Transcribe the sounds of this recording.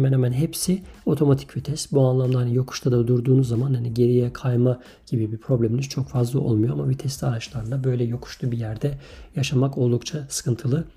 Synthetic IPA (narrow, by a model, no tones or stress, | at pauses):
mænhɛmænɦɛpsio̞t̪ʰo̞mat̪ʰicvit̪ʰɛst̪buanlˠamlˠahanijo̞kʰu̥ʃt̪ʰad̪ad̪uɾd̪uːnuzːamanhaniɟe̞ɾijɛkʰajma | ɟ̥ibibipʰɾo̞blʲeminiz̥t͡ʃʰo̞kfazlˠaʔo̞lˠmujoamabit̪ʰɛst̪aɾat͡ʃlˠaɾɯnabø̞jlʲɛjo̞kʰu̥ʃt̪ʰubijæɾd̪ɛ | jaʃamako̞lˠd̪ukt͡ʃʰasɯ̥kʰɯnt̪ʰɯlˠɯ